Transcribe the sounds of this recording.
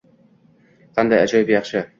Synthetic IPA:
qʰɑnd̪ajad͡ʒɒjb̪jɑχʃɪ

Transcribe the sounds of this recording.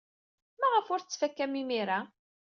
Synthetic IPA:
mæʁəfʊɾθt͡sːfækːæmimiɾa

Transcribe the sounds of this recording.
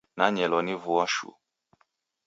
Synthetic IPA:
naɲɛlɔnivuaʃṵ

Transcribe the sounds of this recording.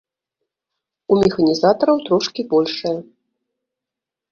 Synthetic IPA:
umʲɛxɐnʲizat̪ɐɾɐwt̪ɾɔʂkʲibɔlʲʂɐjɐ

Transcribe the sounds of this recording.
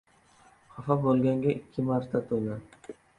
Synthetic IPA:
χafabolˠɡʲaŋɡʲaʔɪkʲʰːɪmaɾt̪ʰat̪ʰola

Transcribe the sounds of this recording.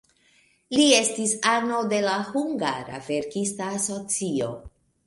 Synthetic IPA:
lie̞stisano̞de̞lahuŋɡaɾa̰ve̞ɾkistaːso̞t͡sio̞̰

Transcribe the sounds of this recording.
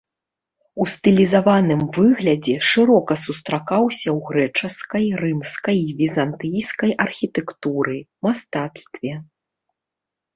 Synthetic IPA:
ust̪ɨlʲizavanɨmvɨɣlʲɐd͡zʲɛʂɨɾɔkɐsust̪ɾakawsʲɐwɣɾɛt͡ʂɐskɐjrɨmskɐjvʲizant̪ɨjskɐjʔɐrxʲit̪ɛkt̪uɾɨmast̪at̪st̪vʲɛ

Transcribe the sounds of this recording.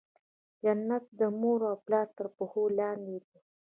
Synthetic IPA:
janːat̪̚d̪əmoɾawplɑːɾt̪əɾpʊholɑːnd̪ed̪u

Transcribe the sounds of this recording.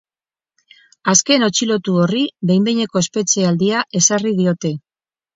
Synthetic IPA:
aske̞no̞t͡ʃilo̞t̪uo̞riðe̞jmb̪eɲe̞ko̞espe̞t͡ʃeald̪iaʔe̞sarið̞io̞t̪e̞

